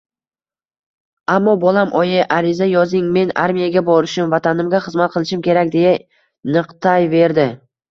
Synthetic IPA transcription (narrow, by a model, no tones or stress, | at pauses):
amːɒbɒlˠamʔɒjɪʔaɾɪzajɒzɪŋme̞na̰ɾmijaɡʲabɒɾɪʃɪmvat̪ʰanɪmɡʲaχɨzmat̪̚qʰɨlˠɪʃɪmkʲʰe̞ɾakʲd̪e̞ja | nɨqt̪ʰajve̞ɾd̪ɪ